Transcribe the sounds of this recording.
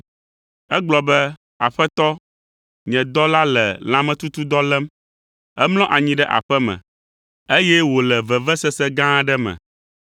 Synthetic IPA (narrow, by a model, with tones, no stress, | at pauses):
ɛ˦ɡ͡blɔ˨bɛ˦ | a˨ɸɛ˦t̪ɔ˦ | ɲɛ̃˨d̪ɔ˦la˦lɛ̰˨l̃ã˨mɛ̃˨t̪u˦t̪u˦d̪ɔ˦lɛ˦m | ɛ˦mlɔ̃˦ʔa˨ɲĩ˨ɖɛ˦ʔa̰˨ɸɛ˦mɛ̰̃˨ | e˦jɛ˦wo˨lɛ˨vɛ˨vɛ˦sɛ˦sɛ˦ɡã˦ɖɛ˦mɛ̰̃˨